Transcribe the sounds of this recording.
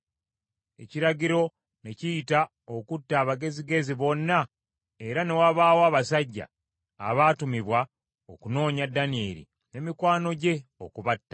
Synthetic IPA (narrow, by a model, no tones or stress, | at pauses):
e̞̰ciɾaɡiɾo̞ | ne̞cijita | okutːaːβaɡe̞ziɡe̞ziβo̞nːa | e̞ɾane̞waβaːwoaːβasaɟːa̰ː | βaːtumiβwa | o̞kuno̞ːɲadːanie̞̰ːɾḭ | ne̞mikwaːno̞ɟe̞okuβatːḁ